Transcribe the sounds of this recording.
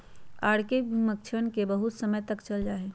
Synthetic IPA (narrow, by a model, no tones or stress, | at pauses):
aːɽkebʱimək̚t͡ʃʰənkebəɦʊt̪sɐməjt̪ɐkt͡ʃɐld͡ʒaːeː